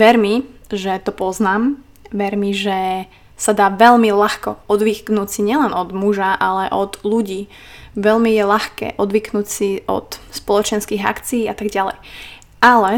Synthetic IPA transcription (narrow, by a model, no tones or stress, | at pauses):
ʋɛɾmiʒɛt̪ɔpɔznaːm | ʋɛɾmiʒɛ | sad̪aːʋɛʎmilaxkɔɔd̪ʋiknuːt͡siɲɪɛlɛnɔd̪muʒaʔalɛʔɔd̪luɟiː | ʋɛʎmijɛʎaxkɛ̰ːʔɔd̪ʋiknuːt͡siɔ̰t̪spɔlɔt͡ʃɛnskiɣa̰kt͡siiːat̪aɡɟalɛ̰j | alɛ